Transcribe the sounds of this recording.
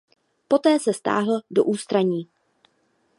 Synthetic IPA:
po̞t̪ɛːsɛst̪a̰ːɦl̩do̰ʔuːst̪ɾaɲiː

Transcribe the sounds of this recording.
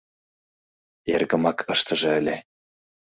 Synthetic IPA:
erɡə̆mɑkʰɤʃt̪ɤ̆ʒɤ̆ə̆lʲe

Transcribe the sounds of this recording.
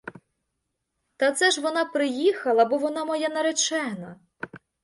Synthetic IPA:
t̪ɐt̪sɛʒʋɔnɑpɾɪjixɐlˠɐbɔʋɔnɑmɔjanɐɾet͡ʃɛnɐ

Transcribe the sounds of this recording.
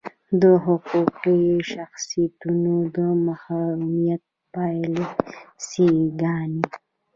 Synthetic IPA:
d̪əɦʊquqiʃaxsijt̪unod̪əmahɑɾumijat̪̚ | pajlisiɡɑni

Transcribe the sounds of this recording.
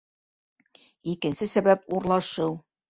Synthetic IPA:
ikɘ̆nsɘsæβæpuɾlˠɑʃɤw

